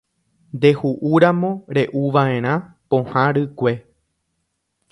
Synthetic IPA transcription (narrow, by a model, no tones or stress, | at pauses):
nd̪e̞huʔuɾamõ̞ɾe̞ʔuʋaʔẽ̞ɾ̃ã | põ̞hãɾɨkʷe̞